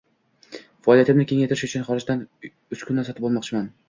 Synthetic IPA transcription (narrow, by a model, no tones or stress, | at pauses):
fɑɒːlˠjat̪ʰɪmnɪkʲʰe̞ŋajt̪ʰɪɾɪʃʊt͡ʃʰʊnχɒɾɪd͡ʒd̪an | ʊt͡ʃkʰʊnːasɒt̪ɪbɒlˠmɒqt͡ʃʰɪman